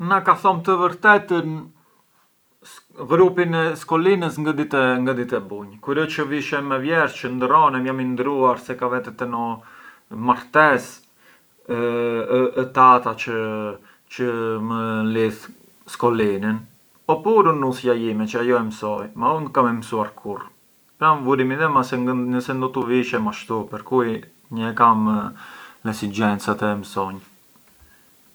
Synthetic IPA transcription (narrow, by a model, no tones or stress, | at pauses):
nakaθɔmt̪əvəɾt̪ɛt̪ən | ɣɾupinɛskɔlinəsŋɡad̪it̪ɛŋɡad̪it̪ɛbuɲkuɾɔt͡ʃəviʃɛmɛvjɛɾt͡ʃənd̪rɔnɛmjamind̪ɾuaɾsɛkavɛt̪ɛt̪ɛnɔ | maɾt̪ɛs | t̪at̪at͡ʃə | t͡ʃəməlið | skɔlinin | ɔpuɾunusjajimɛt͡ʃəajɔɛmsɔjmaund̪kamɛmsuaɾkʰuɾ | pɾanvuɾimiðɛmasɛəsɛnd̪ɔt̪uviʃɛmaʃt̪upɛɾkuj | ɲəɛkam | lɛsid͡ʒɛnt͡sat̪ɛmsɔɲ